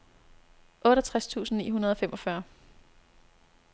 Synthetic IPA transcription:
ʔɔ̽ːɾɐt͡sʰʁast͡sʰṵːsn̩nḭːɦunɐð̞ˠɒ̽femʔɒ̽fɶɐ

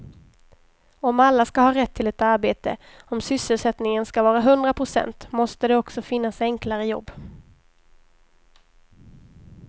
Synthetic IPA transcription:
ɔmalːaskahɑːɾɛt̪ʰːɪlɛt̪aɾbeːt̪ə̰ | ɔmsʏsəlsɛt̪nɪŋənskavɑːɾaɦɵnd̪ɾapʰɾʊsɛ̰nt̪mɔst̪əd̪ɛɔksɔfɪnːasɛŋklaɾəjɔ̰bː

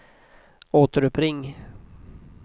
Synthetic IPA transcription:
oːt̪əɾɵpʰɾɪŋː

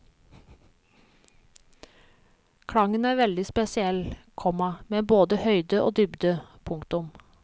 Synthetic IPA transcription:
kʰɽɑŋənæːɾʋɛld̪ɪspɛsɪɛlkʰɔmɑmeːboːd̪əhœʏd̪əʔo̰ːd̪ʏbd̪əpʰʊŋkt̪ʊm

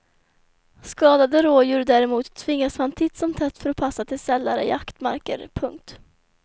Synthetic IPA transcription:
skɑːd̪ad̪əɾoːjʊɾd̪æːɾɛmuːt̪ʰːvɪŋːashant̪ʰɪt̪ːsɔmt̪ʰɛt̪ːfœɾɔpʰasːat̪ʰɪlsɛlːaɾə̰ɪ̰akt̪ma̰ɾkə̰ɾpʰɵŋk̚t̪

